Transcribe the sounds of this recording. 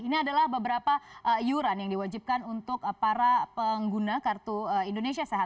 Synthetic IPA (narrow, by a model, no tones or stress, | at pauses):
iniadalahbəbəɾapaʔəjuɾanjaŋdiwad͡ʒip̚kanunt̪ʊkpaɾapəŋɡunakart̪uəindonesiasaɦa